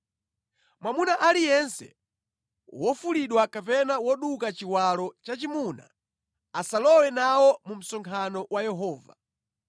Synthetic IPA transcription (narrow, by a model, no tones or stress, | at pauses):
mwamunaʔalijɛnsɛ̰ | wɔfuliɗwakapɛnawɔɗukat͡ʃiwalɔt͡ʃat͡ʃimuna̰ | asalɔwɛnawɔmum̩sɔŋkʰanɔwajɛɦɔːva̰